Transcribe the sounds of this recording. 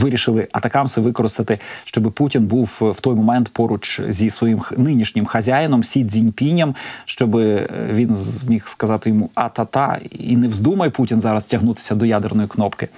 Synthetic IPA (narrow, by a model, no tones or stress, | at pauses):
ʋɪɾʲiʃɪlˠɪʔɐt̪ɐkɑmsɛʋɪkɔɾɪst̪ɐt̪ɪʃt͡ʃɔbɪputʲinbuwwt̪ɔjmɔmɛnt̪pɔɾʊt͡ʃzʲisʋɔjimxnɪnʲiʃnʲɪmxɐzʲajɪnɔmsʲid̪ʲzʲinʲpʲinʲːɐmʃt͡ʃɔbɪʋʲinmʲixskɐzɑt̪ɪjɔmuɐt̪ɐt̪ɑ̰ḭnɛwzd̪umɐjputʲinzɑɾɐstʲɐɦnut̪ɪ̥sʲɐd̪ɔjad̪ernɔjiknɔpkɪ